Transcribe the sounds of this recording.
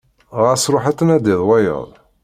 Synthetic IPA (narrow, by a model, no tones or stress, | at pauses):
ʁəsɾˤʊħat̪ːənæd̪iðˤwæjə̰ðˤ